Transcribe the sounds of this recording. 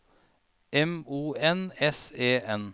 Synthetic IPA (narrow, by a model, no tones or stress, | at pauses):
ɛmuːɛnɛseːɛn